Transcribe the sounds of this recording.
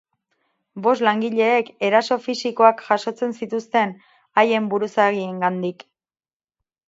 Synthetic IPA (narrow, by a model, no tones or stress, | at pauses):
bo̞s̬laŋɡiʎe̞ːke̞ɾaso̞fisiko̞akʝaso̞t͡se̞nsit̪ust̪e̞n | aje̞mbuɾusaɣie̞ŋɡand̪ik